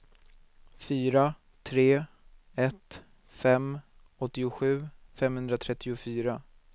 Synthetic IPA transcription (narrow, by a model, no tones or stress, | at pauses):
fyːɾa | t̪ʰɾeː | ɛt̪ | fɛm | ɔt̪ːɪʊɧʉ̟ːfɛmhɵnd̪ɾat̪ʰɾɛt̪ːɪʊfyːɾa